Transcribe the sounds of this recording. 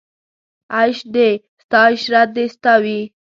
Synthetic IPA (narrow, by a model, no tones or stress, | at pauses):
aʃɖe | st̪ɑɪʃɾat̪̚d̪est̪awi